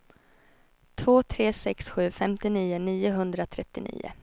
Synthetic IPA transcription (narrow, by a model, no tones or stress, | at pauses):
t̪ʰvoːt̪ʰɾeːsɛksɧʉ̟ːfɛmt̪ɪniːʊniːʊɦɵnd̪ɾat̪ʰɾɛt̪ːɪnḭːʊ̰